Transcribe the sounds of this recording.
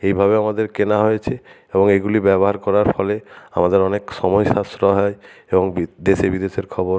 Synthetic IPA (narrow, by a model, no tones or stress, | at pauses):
ejbʱabeamad̪eɾkenaɦojet͡ɕʰe | eboŋeɡulibɛboɦaɾkɔɾaɾfɔlea̰mad̪eɾɔnekʃɔmɔjʃast̪ɾoɦɔeeboŋbid̪eʃebid̪eʃeɾkʰɔboɾ